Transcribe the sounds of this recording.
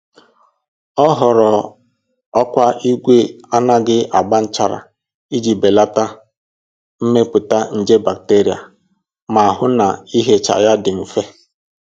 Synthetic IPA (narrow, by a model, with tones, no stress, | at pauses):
ɔ˦ɦɔ˨ɾɔ˨ | ɔ˦kʷa˦i˦ɡʷe˦a˦na˦ɡɪ˦ʔa˨ɡ͡ba˦n̩˦t͡ʃa˦ɾa̰˨ | i˦d͡ʒi˨be˨la˦ta˦ | m̩˦me˦pʊ˨ta˦n̩˨d͡ʒe˦ba˨k̚te˦ɾi˨a̰˨ | ma˨a˨ɦʊ˦na˨i˦ɦe˦t͡ʃa̰˨ja˦dɪ˨m̩˨fe˦